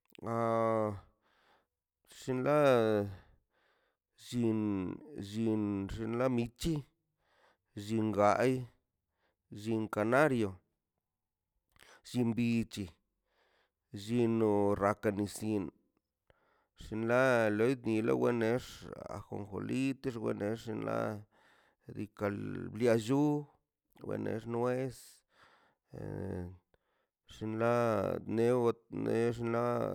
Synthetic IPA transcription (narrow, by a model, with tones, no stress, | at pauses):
a˧ | ʂi˧nla˦ | ʒi˧nʒi˧nʐi˧nla˦mi˧t͡ʃi˦ | ʒi˧ŋɡa˧˦j | ʒi˧ŋka˨na˦ɾjo˨ | ʃi˧mbi˧t͡ʃi˧ | ʒi˧no˧ɾa˧ka˧ni˧si˧n | ʂi˧nla˦lo˧˦ni˧la̰˦we˧ne˦ʂa̰˨xo̰˨ŋxo̰˨li˦t̪e˦ʂwḛ˧ne˧ʂi˧nla̰˦ | d̪i˧ka˧lblja˧ʒu˦ | wḛ˧nḛ˧ʐnwe˦s | ʂi˧nla˦ne˦˧ne˦ʂ̬i˧nla˦